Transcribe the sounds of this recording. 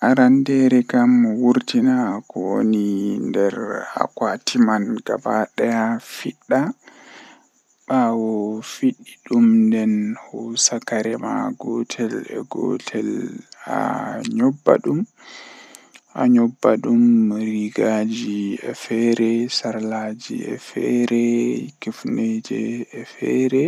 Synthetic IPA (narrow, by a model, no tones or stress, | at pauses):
ʔaɾandɛɾɛkamːɔwuɾtinakɔwonindɛɾa̰kwatimanɡa̰baɗɛafiɗːa | ɓawɔfiɗːiɗumndɛnhɔsakaɾɛma̰ɡɔtʰɛlɛ̰ɡɔ̰tʰɛla̰ɲɔbːa̰ɗum | ʔa̰ɲɔbːaɗumɾiɡad͡ʒiɛfɛɾɛsaɾlaːd͡ʒḭɛ̰fɛɾɛkifned͡ʒɛɛfɛɾɛ